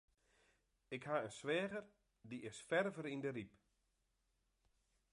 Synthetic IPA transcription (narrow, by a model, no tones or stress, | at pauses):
ɪkhaənsʋɛːɣər | diɪsfɛrvəɾindərip